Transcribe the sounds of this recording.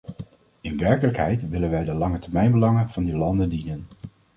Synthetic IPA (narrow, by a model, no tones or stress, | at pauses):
ɪnʋɛɹkələkɦɛjtʋɪlənʋɛjdəlɑŋətɛɹmɛjnbəlɑŋənv̥ɑndilɑndəndinən